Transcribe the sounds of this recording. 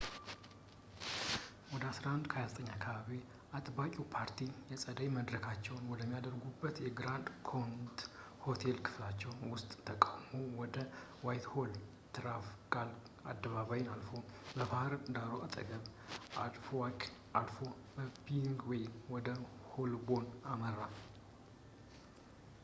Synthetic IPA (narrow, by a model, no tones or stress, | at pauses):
wɔd̪əasɾahnd̪kʰəjazət̪ʰʼəɲːakʰəβaβe | at̪ʼbakʼupʰaɾt̪ʰijɛsʼəd̪əjməd̪ɾəkʰat͡ʃːɛwnwɔd̪əmːijad̪əɾɡubːət̪jɛɡɾand̪kʰont̪ | ho̞t̪ʰe̞lkʰɨ̥flat͡ʃːɛwnwʊst̪ʼt̪ʰːəkʼamowɔd̪ə | wajt̪ho̞l | t̪ʰɨɾafɡʼal | a̰d̪ːəβaβajɪnalfo̞bəbahɾd̪aɾoat̪ʼə̰ɡəβʔalfakʔalfo̞ | bəpiŋɡwɔjwɔd̪əholbo̞naməɾa